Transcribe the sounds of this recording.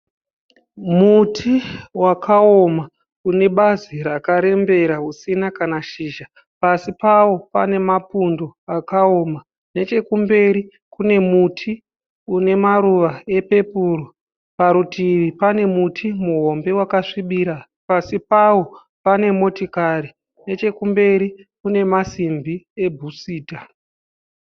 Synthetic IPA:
mutʰiwakʰaoma | kune̞ɓazirakaɾe̞mbe̞ɾaɦusinakanaʃiːʒa | pasipawo̞pane̞mapundo̞akaoːma | ne̞t͡ʃe̞kumbe̞ɾi | kune̞mutʰi | une̞maɾuʋae̞pe̞puːro | paɾutiʋipane̞mutʰimuɦo̞mbe̞wakaʂiɓiːɾa | pasipawo̞ | pane̞mo̞tikaɾi | ne̞t͡ʃe̞kumbe̞ɾikune̞masimbie̞bʱusiːta

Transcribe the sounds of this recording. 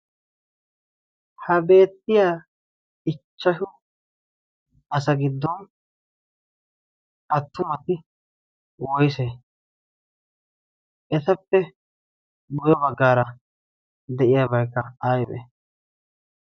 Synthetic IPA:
hɐbe̞ːt̪ːɪjaː | ɪt͡ʃːɐʃʊ | ɐsɐɡɪd̪ːɔn | ʔɐt̪ːʊmɐt̪ɪ | wɔjse | ʔɛt̪ɐpːɛ | bʊjɔbɐɡːaːɾɐ | d̪ɛʔɪjabɐjkːɐaːjbɛ̰

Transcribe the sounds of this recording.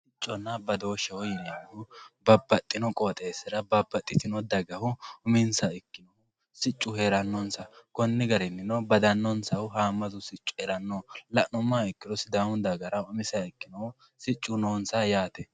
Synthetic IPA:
sɪt͡ʃʼːɔnːɐbɐd̪o̞ːʃɛwɔjɪnɪjɐʊbɐbːɐt̪ʼːɪnɔkʼoːt̪ʼeːsːɪɾɐbɐbːɐt̪ʼːɪt̪ɪnɔd̪ɐɡɐhʊʊmɪnsɐɪkːɪnɔʊ | sɪt͡ʃʼːʊheːɾɐnːɔnsɐkɔnːɪɡɐɾɛnːɪnɔbɐd̪ɐnːɔnsɐwʊɦaːmːɐzʊsɪt͡ʃʼːʊ̥ɛɾɐnːɔlɐʔnʊmːaɪkːɪnɔsɪd̪awʊd̪ɐɡɐɾɐʊmɪsɐɪkːɪnɔʊ | sɪt͡ʃʼːʊnoːnsɐjaːt̪ɛ

